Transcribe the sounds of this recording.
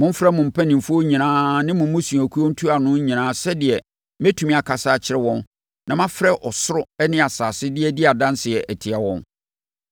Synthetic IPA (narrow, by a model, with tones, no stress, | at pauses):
mʊ̃˦m̩˦fɾɛ˦mʊ̃˨m̩˨pʰæ˦nĩ˨mfʊ˦o˦ɲĩ˨nãː˦nɪ̃˦mʊ̃˨˦mʊ̃˦sũ˨æ˨kʰu˦o˦n̩˦tʰu˦a˨nʊ̃˦ɲĩ˨nãː˦sɛ˦dɪ˨ɛ˨ | me˦tʰu˨mĩ˦a˨kʰa˨saː˦˨t͡ɕʰɪ˦ɾɛ˦wɔ̃˦n | nã˨mã˦fɾɛ˦ʔɔ˨sʊ˦ɾʊ˦ɛ˦nɪ̃˦a˨saː˨sɪ˦dɪ˦ɛ˦dɪ˦a˨dã˦n˦sɪ˨ɛ˨ʔɛ˨tʰɪ˨a˨wɔ̃˦n